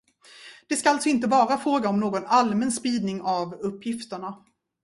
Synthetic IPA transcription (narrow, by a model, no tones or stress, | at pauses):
d̪̥ɛskaalt̪sɔɪnt̪əvɑːɾafɾoːɡaɔmnoːɡɔnalmɛnspiːd̪nɪŋavɵpʰːjɪft̪əɳa